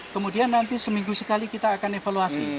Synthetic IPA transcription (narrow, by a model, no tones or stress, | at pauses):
kəmudianːant̪isəmiŋɡusəkalikit̪aːkanefaluasi